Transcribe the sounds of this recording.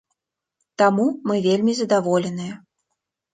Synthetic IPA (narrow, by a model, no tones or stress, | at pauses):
t̪amumɨvʲelʲmʲizəd̪avolʲenɨj